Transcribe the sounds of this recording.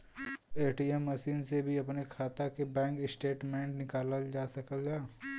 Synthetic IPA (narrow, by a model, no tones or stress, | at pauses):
eːʈiemːɐʃiːnsebʱiɐpnekʰaːt̪akebɛ̃ːŋkɪsʈeːʈmɛ̃ːɳʈnɪkaːləld͡ʒaːsɐkəlɡaː